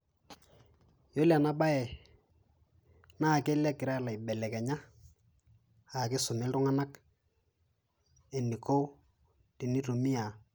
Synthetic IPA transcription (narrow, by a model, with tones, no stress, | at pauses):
jo˦la˨na˦ba˦ɛ˨ | na˦˨ke˦lɛ˦kɪ˨ɾa˦la˨ɪ˨bɛ˨lɛ˨kɛ˨ɲa˦ | a˨kɪ˦sʊ˨nɪ˦ltʊ˦ŋa˦na˦k | e˨ni˨ko˦ | ti˨ni˦to˨mi˦a˨